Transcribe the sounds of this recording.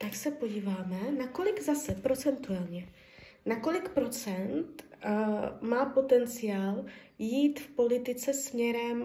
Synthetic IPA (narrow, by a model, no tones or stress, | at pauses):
t̪aksɛpo̞ɟiːvaːmɛnako̞lɪɡzasɛpɾo̞t͡sɛnt̪uɛlɲɛ | nako̞lɪkpɾo̞t͡sɛnt̪ | maːpo̞t̪ɛnt͡sɪjaːl | jiːt̪fpo̞lɪt̪ɪt͡sɛsmɲɛɾɛm